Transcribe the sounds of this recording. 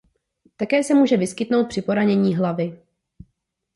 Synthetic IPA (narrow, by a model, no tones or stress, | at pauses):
t̪akɛːsɛmuːʒɛvɪskɪt̪no̞wt̪̚pr̥ɪpo̞ɾaɲɛɲiːɦlavɪ